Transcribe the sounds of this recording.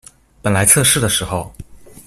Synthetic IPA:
pə˨˩nla˧˥ɪt͡sʰɤ˥˧ʂɻ̩˥˩d̪ə˩ʂɻ̩˧˥xo˧ʊ

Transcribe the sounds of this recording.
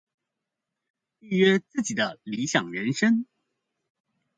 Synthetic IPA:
i˥˩ɥɛ˥t͡sɹ̩˥˩t͡ɕi˨˩d̪ə˦li˧˥ɕjɑ˨˩ŋɻə˧˥nʂə˥ŋ

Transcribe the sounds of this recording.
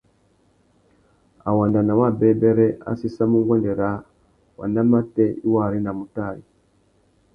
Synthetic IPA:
a˨wa˨nda˨na˨wa˦˨bɛ˦bɛ˦ɾɛ˦a̰˦si˦sa˦mu˦ŋɡwɛ˦ndɛ˨ɾa˨˦ | wa̰˨na˦ma˦tɛ˦i˦wa˨ɾi˦na˨mu˨ta˦˨ɾi˨

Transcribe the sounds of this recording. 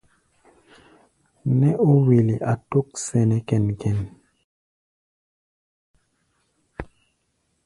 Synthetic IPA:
nɛ˦ʔu˦wi˨li˨ʔa˨tu˦ksɛ˨nɛ˨kɛ˨nkɛ˨n

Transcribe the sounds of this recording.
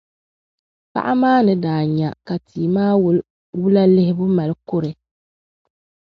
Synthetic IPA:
pa̰˦ʔa˦maː˦nɨ˦daː˨ɲa˨ka˨tiː˨maː˦ | wu˦la˦lɪ˦hɪ˦bʊ˦ma˨lkʊ˦ɾɨ˨

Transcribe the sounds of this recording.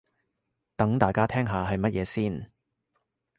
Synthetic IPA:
t̪ɐ˨˥ŋt̪aː˨jkaː˥t̪ʰɛː˥ŋɦaː˨˧ɦɐ˨jmɐ˥t̚jɛː˨˧siː˥˩n

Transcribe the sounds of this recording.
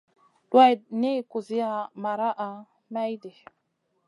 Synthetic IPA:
dwa˦jni˦ku˨zi˦a˨ma˨ɾa˦ʔa˨ | ma˦i˦de˨

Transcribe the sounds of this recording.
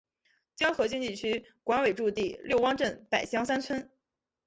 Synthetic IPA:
t͡ɕjɑ˥ʊxɤ˧˥t͡ɕi˥nt̪i˥˩t͡ɕʰy˥ | kwa˧˥nwe˨˩ɪʈ͡ʂu˥˧t̪i˥˩ljo˥˩ʊwɑ˥ŋʈ͡ʂə˥˩npa˨˩ɪɕjɑ˥ŋsa˥nt͡sʰwə˥n

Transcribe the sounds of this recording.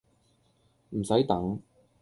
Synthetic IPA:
m̩˨˩sɐ˨˥jt̪ɐ˨˥ŋ

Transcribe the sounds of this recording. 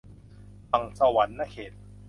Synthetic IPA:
fa˨˩ŋsa˧wa˨˦nːa˦˧˥kʰeː˨˩t̪̚

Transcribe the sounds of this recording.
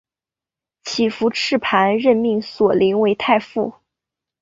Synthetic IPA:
t͡ɕʰi˨˩fu˧˥ʈ͡ʂʰɻ̩˥˩pʰa˧˥nɻə˥˧nmi˥˩ŋswɔ˨˩li˧˥ŋwe˧˥ɪt̪ʰa˥˧ɪfu˥˩

